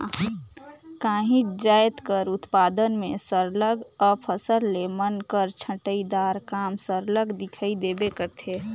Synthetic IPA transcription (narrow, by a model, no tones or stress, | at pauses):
kaːɦĩd͡ʒaːjt̪kəɾʊt̪paːd̪ənmẽsəɾləɡɔpʰəsəɾlemənkəɾt͡ʃʰə̃ʈəid̪aɾkamsəɾləɡd̪ɪkʰəid̪ebekəɾt̪ʰe